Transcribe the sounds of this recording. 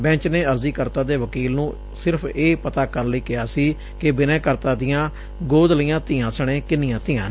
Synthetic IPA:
bɛ̃ːt͡ʃneːəɾziːkəɾt̪ãːd̪eːʋəkiːlnũː | sɪɾpʰeːpət̪aːkəɾləiːkɪjaːsiː | kɪbɪnɛ̃ːkəɾt̪ãːd̪ɪjãː | ɡoːd̪liːãːt̪ɪjãːsəɽ̃eːkɪnɪjãːt̪ɪjãː

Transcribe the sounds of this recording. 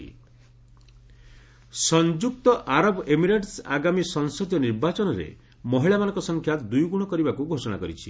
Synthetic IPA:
sɔnd͡ʒuk̚t̪ɔʔaɾɔbemiɾeʈsa̰ɡamisɔŋsɔd̪jɔniɾbat͡ʃɔnɔɾḛ | mɔɦiɭamanɔ̃ŋkɔsɔŋkʰjad̪ujɡuɽ̃ɔkɔɾibakuɡʱosɔɽ̃a̰kɔɾit͡ʃʰi

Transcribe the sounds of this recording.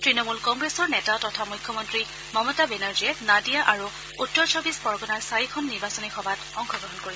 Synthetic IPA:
tɹinɔmulkɔŋɡɹesɔɹnɛtatɔtʰamujkʰjɔmɔntɹi | mɔmɔtabenaɹziɛnadijaʔaɹu | utːɔɹsʰɔbispɔɹɡɔnaɹsaikʰɔnːiɹbasɔnixɔbʱatɔŋkʰɔɡɹɔɦɔnkoɹi

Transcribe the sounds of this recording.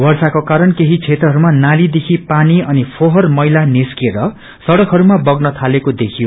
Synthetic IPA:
bʌrsakokaɾʌnkeɦit͡sʰet̪rʌɦʌɾumanalid̪ekʰipaniʌnipʰoɦʌrmʌjlaniskeɾʌ | sʌɽʌkɦʌɾumabʌɡnʌt̪ʰalekod̪ekʰijo

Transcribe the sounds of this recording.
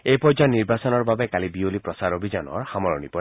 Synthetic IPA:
ejpɔd͡ʒɔniɹbasɔnɔɹbabekalibiolipɾɔsaɾobʱid͡ʒɔnɔ̰ɹhamɔɹɔnipɔ

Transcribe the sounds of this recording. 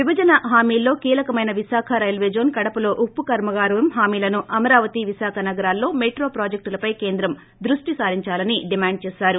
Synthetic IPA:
ʋibɐd͡ʒɐnɐɦaːmiːlːo̞ːkiːlɐkɐmɐjnɐʋisaːkʰɐɾɐjlʋeːd͡ʒoːnkɐɽɐpɐlo̞ːʔupːukɐɾmɐɡaːɾujɐmɦaːmiːlɐnuʔɐmɐɾaːʋɐt̪iʋisaːkʰɐnɐɡɐɾaːlːo̞ːmeːʈɾo̞ːpɾaːd͡ʒek̚ʈulɐpɐjke̞ːnd̪ɾɐm | d̪ɾuʂʈisaːɾiɲt͡ʃaːlɐniɖimaːɳɖ̚t͡ʃɛːsaːɾu

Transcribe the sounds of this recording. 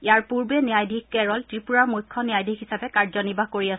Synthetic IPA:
ijaɹpuɹbɛniajdʱikkɛɹɔltɹipuɹaɹmujkʰːɔniajdʱikɦisapɛkaɹzɔnibakoɹias

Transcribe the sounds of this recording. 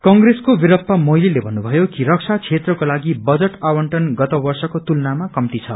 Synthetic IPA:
kʌŋɡreskobiɾʌpːamoililebʱʌnːubʱʌjokiɾʌk̚sʰat͡sʰet̪rʌkolaɡibʌd͡zʌʈawʌɳʈʌnɡʌt̪ʌbʌrsʌkot̪ulnamakʌmt̪it͡sʰʌ̰

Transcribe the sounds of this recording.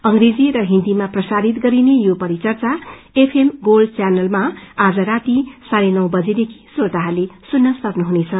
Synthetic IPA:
ʌŋɡɾed͡ziɾʌɦind̪imaprʌsaɾit̪ɡʌɾinejopʌɾit͡sʌrt͡sa | epʰemɡolt͡sjanʌlmaad͡zʌɾat̪isaɾenʌwbʌd͡zed̪ekʰi̥soɾt̪aɦalesunːʌsʌknuɦunet͡sʰʌ

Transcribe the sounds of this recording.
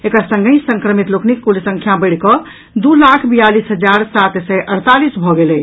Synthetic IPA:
ekɾasə̃ŋɡəsəŋkɾəmit̪loknikːulisə̃ŋkʰjabəɽ̤kɔ | d̪ulakʰbijalisɦəd͡ʒaɾsat̪sɛʔəɽt̪alisbʱɔɡelɛ

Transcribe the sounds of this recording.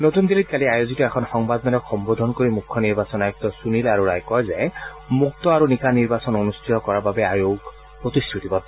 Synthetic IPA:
not̪und̪ilit̚kaliajozitɔɛkʰɔnxɔŋbad̪mɛlɔkxɔmbod̪ʱɔnkoɹimukʰːɔniɹbasɔnajɔk̚tɔsunilaɹuɹajkɔjzɛ | muk̚tɔaɹunikaniɹbasɔnonustɹitɔkɔɹababɛajoɡ | pɹot̪istʰɹut̪ibɔt

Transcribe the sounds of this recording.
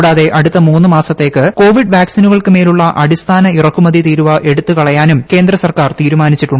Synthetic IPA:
ɽaːðe̞ʔɐɽut̪ːɐmuːnːɨmaːsɐt̪ːe̞ːkːɨko̞ːʋiɖʋaːksinuɣɐɭkɨme̞ːluɭːɐʔɐɽist̪ʰaːnɐirɐkːumɐðit̪iːɾuʋɐʔe̞ɽut̪ːɨkɐɭɐjaːnumke̞ːnd̪rɐsɐrkaːrt̪iːɾumaːnit͡ɕːiʈːuɳɖ

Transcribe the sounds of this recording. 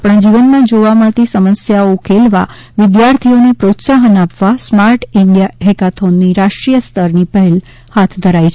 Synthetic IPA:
apəɳd͡ʒiʋənmãd͡ʒoʋamat̪isəməsjaoukʰelʋa | ʋɪd̪jaɾt̪ʰionepɾot̪saɦənapʋasmaɾʈɪɳɖijaɦekat̪ʰonːiɾaʃʈɾijəst̪ʰəɾnipəɦɛl | hat̪ʰd̪ʱəɾajt͡ʃʰ

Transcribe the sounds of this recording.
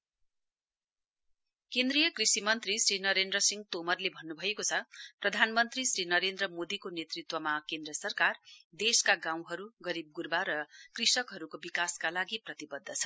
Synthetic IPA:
kend̪rijʌkrisimʌnt̪risrinʌɾend̪rʌsiŋɡt̪omʌrlebʱʌnːubʱʌjekot͡sʰʌprʌd̪ʱanmʌnt̪risrinʌɾend̪rʌmod̪ikonet̪rit̪wʌmakẽnd̪ɾʌsʌrkard̪eskaɡãw̃ɦʌɾuɡʌɾib̚ɡurbaɾʌkrisʌkɦʌɾukobikaskalaɡiprʌt̪ibʌd̪ʱːʌt͡sʰʌ̥

